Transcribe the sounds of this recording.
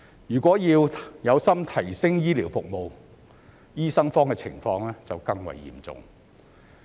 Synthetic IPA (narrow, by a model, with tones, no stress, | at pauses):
jyː˨˩kʷɔː˨˥jiː˧wjɐ˨˧wsɐ˥mt̪ʰɐ˨˩jsɪ˥ŋjiː˥liː˨˩wfʊ˨k̚mo˨w | jiː˥sɐ˥ŋfɔː˥ŋkɛː˧t͡sʰɪ̰˨˩ŋfɔː˧ŋlɛː˥t͡sɐ˨wkɐ˧ŋwɐ̰˨˩jːḭː˨˩mt͡sʊ̰˨ŋ